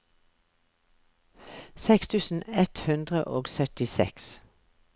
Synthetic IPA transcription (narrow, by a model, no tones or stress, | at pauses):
sɛkst̪ʰʉːsn̩ɛt̪hʉnd̪ʁə̰ʔoːɡsœt̪ɪsɛ̰ks